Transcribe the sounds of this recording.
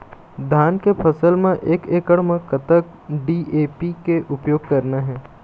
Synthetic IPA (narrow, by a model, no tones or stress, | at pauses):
d̪ʱaːnkepʰəsəlmẽʔeːkeːkəɽmẽkət̪ək̚ | ɖiːeːpikeʔʊpjoːɡ̚kɐɾnaɦɛ̃ː